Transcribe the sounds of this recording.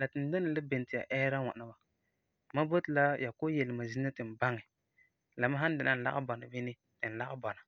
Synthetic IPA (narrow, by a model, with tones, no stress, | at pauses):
la˨tɪ˨n˨˦do˦nɪ˨lɪ˦be˨n˨tɪ˨ja̰˨ʔɛː˦ɾa˦ŋa̰˨na˨ba˨ | ma˦bo˦tɪ˨la˦ja˨ko˦jɛ˨lɪ˨ma˨zi˦na˦tɪ˨n˨ba˦ŋɛ˨ | la˨ma˦ɦa˦n˦dɪ˨na˨n̩˨la̰˦ɣɪ̰˦bɔ˨na˨vi˦nɪ˦ | tɪ˨n̩˨la˦ɡɪ˦bɔ˨na˨